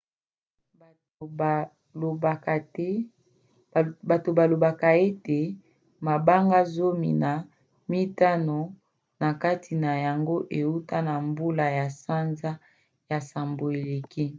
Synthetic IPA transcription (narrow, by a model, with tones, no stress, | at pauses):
ba˨to˨ba˨lo˨ba˨ka˨e˦te˨ | ma˨ba˦ŋɡa˦zo˦mḭ˨na˨ | mi˦ta˦no˨ | na˨ka˦tʰi˨na˨ja˨ŋɡo˦ʔe˨u˦ta˦na˨mbu˦la˨ja˨sa˦nza˦ | ja˨sa˨mbo˨e˨le˨ki˦